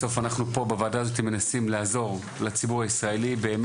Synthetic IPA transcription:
o̞fanaχnupo̞bavaːdaːzo̞t̪ime̞nasimleazo̞ʁ | lat͡sibuʁaisʁae̞libe̞ːm

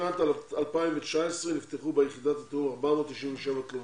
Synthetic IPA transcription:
at̪alalpaimvet͡ʃaesʁenift̪eχubejeχidat̪at̪eumaʁbamot̪iʃinveʃevaklo

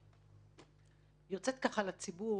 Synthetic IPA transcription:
jot͡set̪̚kaχalat͡sibu

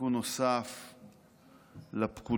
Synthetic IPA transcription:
unosaf | lapku

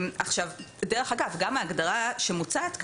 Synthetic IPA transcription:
maχʃavbedeʁeχaɡavɡamaːɡdaʁaʃemut͡sat̪k

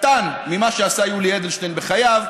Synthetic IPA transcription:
t̪anmimaʃeasajulied̪elʃt̪ejnbeχajav

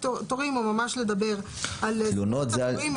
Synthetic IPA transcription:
ot̪oʁimumamaʃle̞d̪abe̞ʁ | allonot̪zeaim

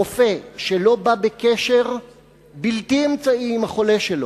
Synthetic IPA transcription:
ofe̞ʃelo̞babekeʃeʁ | biltiemt͡saiːmhaχo̞le̞ʃelo

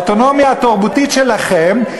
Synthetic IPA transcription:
t̪ono̞mjaːt̪aʁbutitʃelaχem

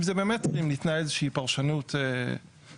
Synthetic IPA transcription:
fzɛbemɛtʁimlitnaejzəʃəipaʁʃanute

